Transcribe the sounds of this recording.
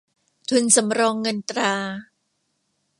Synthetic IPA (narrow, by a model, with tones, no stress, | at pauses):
t̪ʰu˧nsa˩˦mɾɔː˧ŋːɤ˧nt̪ɾaː˧